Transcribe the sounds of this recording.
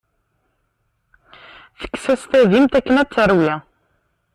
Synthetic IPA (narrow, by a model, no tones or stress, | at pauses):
θə̥kːsæst̪æðimt̪ækːənæt͡sːəɾwjæ